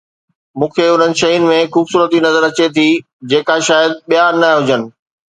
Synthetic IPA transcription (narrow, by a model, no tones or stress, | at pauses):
mũːkʰeʊn̤ənɪ̆ʃɐʊnɪ̆mẽxuːbsuːɾət̪inɐzəɾɐt͡ɕet̪ʰi | d͡ʑeːkaʃaːjəd̪̚ɓijanaɦʊd͡ʑənɪ̆